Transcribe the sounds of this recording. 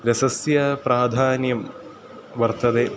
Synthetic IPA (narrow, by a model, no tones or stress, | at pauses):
ɾɐsɐsjɐpɾaːd̪ʱaːnjɐm | ʋɐrt̪ɐd̪e